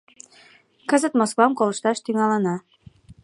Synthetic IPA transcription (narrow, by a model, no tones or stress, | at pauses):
kəzə̆t̪moskoɑmkoləʃt̪ɑʃt̪yŋɑlənɑ